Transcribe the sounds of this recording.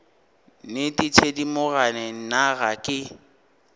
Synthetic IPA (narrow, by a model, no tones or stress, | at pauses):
nɪtʼɪtʰedimʊɣanɛnaɣakʼɪ